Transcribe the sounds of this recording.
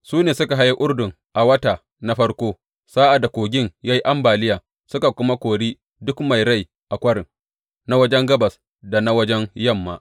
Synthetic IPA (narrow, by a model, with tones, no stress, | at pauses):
suː˦neː˨sʊ˦ka˨ɦa˦ja˦ʔʊ˦ɽdʊ˨ŋ | ʔa˨wɐ˦taː˨ | na˦ɸɐ˦ɽkʷoː˦ | saː˦ʔa˨da˨kʷoː˨ɡʲɪ˦˨ŋjaː˦ji˦ʔa˦mbaː˨lɪ˦jaː˨ | sʊ˦ka˨kʷʊ˦ma˦kʷoː˨ɽiː˦ | dʊ˦kma˨jɽa˦˨j | ʔa˨kʷɐ˦ɽɪ˨ŋ | na˦wɐ˦d͡ʒɛ˦ŋɡɐ˦bɐ˨s | da˨na˦wɐ˦d͡ʒɛ˦ŋjɐ˦˨mːa̰ː˦ʔ